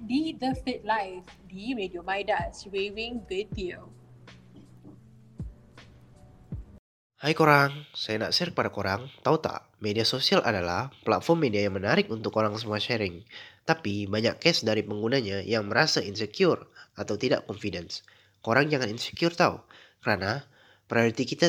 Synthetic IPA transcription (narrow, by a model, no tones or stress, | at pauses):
didəfit̚lajfdimediomajdaswewĩŋvet̪io | hajkoɾaŋsajana̰ʔsɪrkəpadakoɾaŋt̪aut̪a̰ʔ | mediasosialʔa̰dala̰hpla̰t̪̚fɔrmːediajaŋmənaɾɪkunt̪ʊkːoɾaŋsəmuaʃɛɾɪŋt̪apibaɲa̰kːɛsdaɾipəŋɡunaɲajaŋməɾasaʔinsəkjʊrat̪awt̪ida̰ʔkɔnfidɛns | koɾaŋd͡ʒaŋaninsi̥kjʊrt̪aṵ | kəɾana | pəɾajoɾit̪ikit̪a